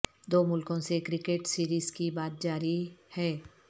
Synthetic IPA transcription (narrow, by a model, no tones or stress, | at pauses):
d̪oːmʊlkõsekɾɪkeʈsiːɾiːzkibaːt̪̚d͡ʒaːɾihɛː